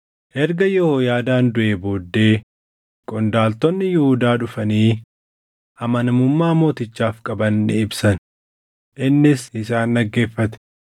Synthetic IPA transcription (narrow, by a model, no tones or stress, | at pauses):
ʔɛɾɡɐjɔhoːjaːd̪aːnd̪ʊʔeːboːd̪ːe̞ː | kʼɔnd̪aːlt̪ɔnːɪjɪhʊd̪aːᶑʊfɐniː | ʔɐmɐnɐmʊmːaːmo̞ːt̪ɪt͡ʃːaːfkʼɐbɐnːɪɪbsɐn | ʔɪnːɪsɪsaːnːɐɡːe̞ːfːɐt̪ɛ̥